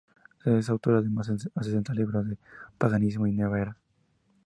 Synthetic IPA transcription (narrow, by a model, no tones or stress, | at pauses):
ees̬awt̪oɾaðemasasesent̪aliβɾoðepaɣanismoineβeɾa